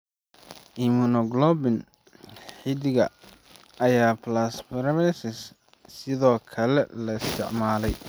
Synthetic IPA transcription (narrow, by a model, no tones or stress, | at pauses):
ʔɪmunɔɡlɔbɪn | ħɪd̪ɪɣɐ̰ | ɐjaːplasfɔɾβɛsɪs | sɪðɔːkʰɐlɛ̰lɐɪst̪ʰɪ̰ʕmaːlɛj